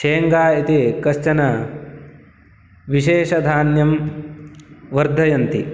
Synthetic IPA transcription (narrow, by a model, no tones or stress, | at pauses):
ʃeːŋɡaːit̪ikɐʃt͡ʃɐnɐ | ʋiʃeːʃɐd̪ʱaːnjɐm | ʋɐɾd̪ʱːɐjɐnt̪ḭ